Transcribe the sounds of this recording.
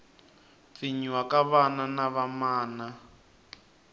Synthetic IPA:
fiɲiwakaβananaβamaːna

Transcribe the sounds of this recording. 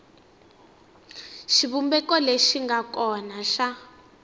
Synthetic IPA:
ʃiβumbɛkɔleʃiŋɡakɔnaʃa

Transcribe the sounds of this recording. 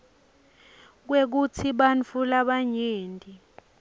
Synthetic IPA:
k̬wek̬ut͡sʰiɓant͡fʰulaɓaɲeːndʱʼi

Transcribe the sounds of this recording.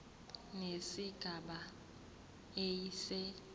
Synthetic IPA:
nesiɡ̥ʱaɓa | esɛ

